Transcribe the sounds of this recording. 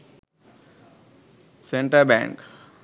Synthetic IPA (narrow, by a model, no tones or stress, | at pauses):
sẽɳʈəɾbɛ̰̃ŋk